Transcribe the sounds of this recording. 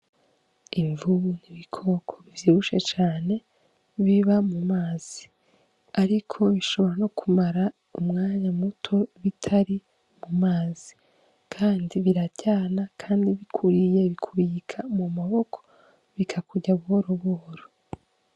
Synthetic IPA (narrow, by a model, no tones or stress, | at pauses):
iɱvuniβikʰo̞kʰoβivjiːβuʃe̞t͡ʃaːne̞ | βiβamumaːz̥i | aɾikʰo̞βiʃo̞βo̞ɾano̞kʰumaɾa | umŋaːɲamutʰo̞βitʰaɾi | mumaːzi̥ | kʰaːndiβiɾacaːnakʰaːndiβikʰuɾije̞βikʰuɾikʰamumaβo̞kʰo̥ | βikʰakuɟaβuhoɾoβuhoɾo